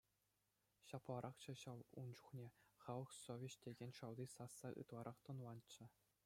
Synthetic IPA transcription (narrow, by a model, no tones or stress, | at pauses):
ɕɑplˠɑɾʔɑχt͡ɕɑ̆ɕɑʋund͡ʑuχnʲeχɑlˠɤ̆χsovʲet͡ɕt̪ʲeɡʲenʲʂɑld̪ʲisɑsːɑʔɯ̰t̪lˠɑɾʔɑχt̪ŏnlˠɑnt͡ɕːɘ̆